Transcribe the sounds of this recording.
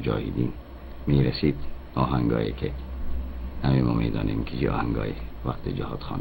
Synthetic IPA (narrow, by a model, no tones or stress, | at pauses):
d͡ʒɒːhid̪ḭːn | miːɾæsiːd̪ | ɒːɦæŋɡɒːjḛkʰe | hæmemɔːmḭːd̪ɒ̰ːnʔiːmkʰit͡ʃiʔɒ̰ːhæŋɡɒ̰ːjeʋæqt̪ʰid͡ʒehɒːd̪̥xɑːn